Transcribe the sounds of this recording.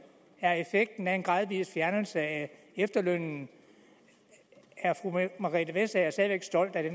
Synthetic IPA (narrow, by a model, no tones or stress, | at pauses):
æɐe̝feɡ̥̚d̥n̩æe̝nɡ̥ʁɑ̈ðˠʋḭːlˠsfjæɐnl̩səæ | efd̥ɐløn̰n̩ | æɐfʁumɑ̈ʁiəʋesææɐsdæʋeɡ̥sd̥ɒ̽l̰d̥æɾ̥en